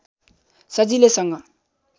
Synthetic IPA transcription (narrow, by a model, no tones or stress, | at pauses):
sʌd͡zilesʌŋɡʌ